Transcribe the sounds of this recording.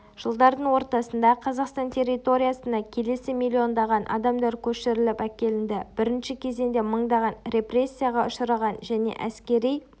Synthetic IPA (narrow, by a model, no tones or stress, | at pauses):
ʒ̥əlˠd̪ɑɾd̪əɴwo̞ɾt̪ɑsənd̪ɑqʰɑzɑqst̪ɑnt̪ʰʲe̞rːit̪o̞ɾʲijasənɑkʲʰe̞le̞sɪmilʲːio̞nd̪ɑʁɑnʔɑ̰d̪ɑmd̪ɑɾkʲʰɵʃɪɾɪlɪpækʲe̞lɪnd̪ɪb̥ɪɾɪnʃɪkʲʰe̞ze̞nd̪e̞məɴd̪ɑʁɑnɾe̞pre̞sʲːijaʁɑʊʃəɾɑʁɑnʒæne̞̰ʔæskʲe̞ɾij